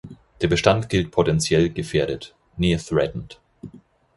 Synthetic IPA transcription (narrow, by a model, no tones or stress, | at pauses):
d̥eːɐbəʃtantɡ̥ɪlt̚pʰotɛnt͡sjɛlɡəfeːɐɾət | niːθʁɛtn̩t